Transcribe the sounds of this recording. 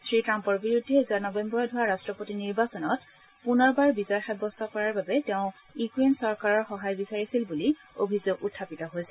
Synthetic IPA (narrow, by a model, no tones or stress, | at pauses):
sɹitɹampɔɹbiɹudʱːiɛzuaɹnɔbɛmbɔɹɔdʱɔɹaɹastɹɔpotiniɹbasɔnɔt | punɔɹbaɹbizɔjxɛbɔstʰɔkɔɹaɹbabɛtɛʊ̃ | jukɹensɔɹkaɹɔɹxɔɦajbisaɹisilbuli | o̰bʱizoɡutʰːapitɔɦojsɛ